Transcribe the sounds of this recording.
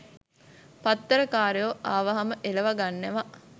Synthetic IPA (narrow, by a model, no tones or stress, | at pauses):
pat̪ːəɾəkaːɾejoaːʋaɦaməʔeləʋaɡanːeʋa